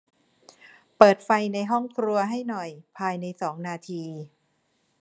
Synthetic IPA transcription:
pɤː˨˩t̪̚fa˧jna˧jɦɔ˥˩ŋkʰɾu˧ɐɦa˥˩jnɔ˨˩jpʰaː˧jna˧jsɔː˩˦ŋnaː˧t̪ʰiː˧

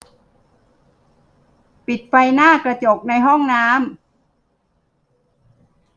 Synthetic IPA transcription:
pi˨˩t̪̚fa˧jnaː˥˩kɾa˧t͡ɕo˨˩k̚na˧jɦɔ˥˩ŋnaː˦˥m

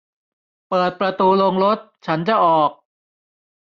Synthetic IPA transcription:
pɤː˨˩t̪̚pɾa˧t̪uː˧lo˧ŋɾo˦˥t̪̚t͡ɕʰa˦˥nt͡ɕa˨˩ʔɔː˨˩k̚

